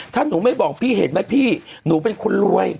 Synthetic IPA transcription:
t̪ʰaː˥˩nuː˩˦ma˥˩jbɔː˨˩k̚pʰiː˥˩ɦḛ˨˩˦t̪̚ma˦˥˩jpʰiː˥˩nuː˩˦p̬e˧nkʰo˧nlu˧əj

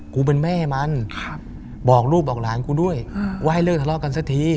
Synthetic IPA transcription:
kuː˧p̬e˧nmɛː˥˩ma˧˥nʰ | bɔː˨˩k̚ɾuː˥˩p̚ʔɔː˨˩k̚laː˨˦nkuː˧˦du˥˩əjwaː˧˩˨jlɤː˥˩k̚t̪ʰa˧lɔː˧˥˩ka˧nsa˧t̪ʰiː˧

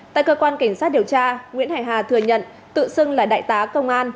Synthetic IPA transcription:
t̪a̰ː˧˨jkəː˧kwaː˧nka˧˩ŋ̟saː˦˥t̚ɗi˨˩əwt͡ɕaː˧ŋwḭ˧˥ənhaː˧˩jɦaː˨˩t̪ʰɨ˨˩əɲə̰˧˨n | t̪ɨ̰˧˨sɨ˧ŋlaː˨˩ɗa̰ː˧˨jt̪aː˨˦kə˧wŋ͡mʔaː˧n

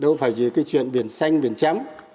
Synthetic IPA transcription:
ɗə˧wfaː˧˩jzɨ˨˩kaː˨˦jt͡ɕwḭ˧˨ənɓi˨˧˩ənsa˧jŋ̟ɓi˨˩ənt͡ɕa˨˦m

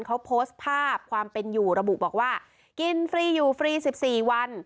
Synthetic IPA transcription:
nkʰa˦˥wpʰoː˦˥st̪̚pʰaː˥˩p̚kʰwaː˧mpe˧njuː˨˩ɾa˧bu˨˩ʔbɔː˨˩k̚waː˥˩ | ki˧nfɾiː˧juː˨˩fɾiː˧si˨˩p̚siː˨˩wa˧n

